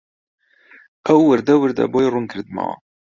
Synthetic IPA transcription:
æwːəɾd̪æwəɾd̪æ̰bojɾˤʊnkʰəɾd̪mæ̰ʁa̰

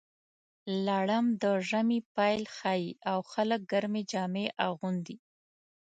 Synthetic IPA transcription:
lɑɽamd̪əʒamipɑjlxɑjiʔawxalək̚ɡaɾmed͡ʒɑmeʔaɣund̪i

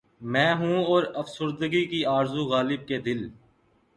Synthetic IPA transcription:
mɛ̃ːɦũːɔːɾəfsʊɾd̪əɡikiaːɾzuɣaːlɪb̚ked̪ɪl

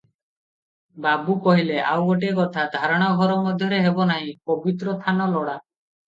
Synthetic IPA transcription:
babukɔɦileʔa̰wɡoʈ̬ekɔt̪ʰad̪ʱaɾɔɽ̃ɔɡʱɔɾɔmɔd̪ʱjɔɾeɦebɔnaɦĩpɔbit̪ɾɔst̪ʰanɔlɔɽa

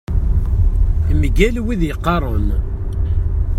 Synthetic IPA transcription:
mɡælwiðjəqːɑɾˤən

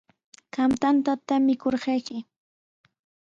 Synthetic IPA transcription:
ɢamt̪ant̪at̪amɪkoɾɢɑjkɪ

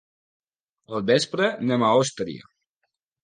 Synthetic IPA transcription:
əlˠbespɾənemaost̪ɾḭə̰

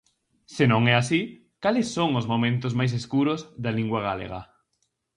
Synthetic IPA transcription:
senõŋɛasi | kalɪsːoŋʊzmomẽnt̪ʊzmajs̬eskuɾʊzðɐliŋɡwaɣ̞alḛɣɐ̰

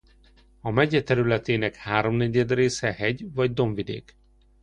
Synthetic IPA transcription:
ɒmɛɟɛt̪ɛɾylɛt̪eːnɛkhaːɾo̞mnɛɟɛd̪reːsɛhɛɟvɒɟd̪o̞ɱvid̪ḛːk

